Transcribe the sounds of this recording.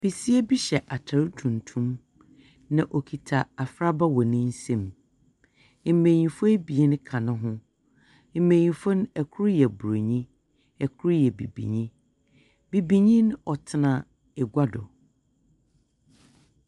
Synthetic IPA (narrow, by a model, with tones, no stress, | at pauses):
b̥i˨si˦e˦bi˦ɕɛ˨ʔa˨tʰa˨ɾu˦tʰũ˨n˨tʰũ˦m | nã˨ʔɔ˨kʰi˨tʰa˨a˨fɾa˦ba˦wɔ˨nɪ̃˦n̩˦sɛ̃˦˨m˨˦ | mẽ˨ɲĩ˨fɔ˦e˦bi˨e˦nʊ̃˦kʰã˨nʊ̃˦ɦʊ̃˦ | m̩˨˦mẽ˨ɲĩ˨fɔ˦ñ˦ɛ˨kʰu˦ɾjɛ˨bu˨ɾo˨ɲĩ˦ | ɛ˨kʰu˦ɾjɛ˨bḭ˨bḭ˨ɲĩ˦ | bi˨bi˨ɲĩ˦n˦ɔ˨tʰɪ˦nã˨ | ɛ˨ɡʷa˦dɔ̰˨